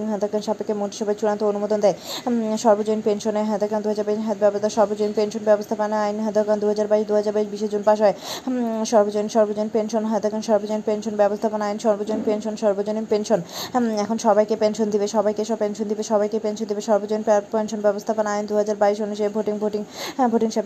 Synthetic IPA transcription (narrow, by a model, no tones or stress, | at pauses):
ŋɦɔd̪ʱakanʃapekːemoʈi̥ʃɔbʱaet͡ɕuɾant̪oonumod̪ond̪eeʃɔɾbod͡ʑojnpenʃoneɦɔd̪ʱakand̪uɦad͡ʑaɾbaiat̪bɛbost̪ʰaʃɔɾbod͡ʑoenpenʃonbɛbost̪ʰapanajnɦɔd̪ʱakand̪uɦad͡ʑaɾbaiʃd̪uɦad͡ʑaɾbaiʃbiʃed͡ʑonpaʃ̬ɔeʃɔɾbod͡ʑoniʃɔɾbod͡ʑoinpenʃonɦɔet̪ɛkʰonʃɔɾbod͡ʑoenpenʃonbɛbost̪ʰaponaajinʃɔɾbod͡ʑojnpenʃonʃɔɾbod͡ʑonipenʃonɛkʰonʃɔbajkepenʃond̪ibeʃɔbajkeʃɔbpenʃond̪ibeʃɔbajkepenʃond̪ibeʃɔɾbod͡ʑojnpenʃonbɛbost̪ʰapanaajnd̪uɦad͡ʑaɾbaiʃonuʃaebʱoʈiŋbʱoʈiŋbʱoʈiŋʃab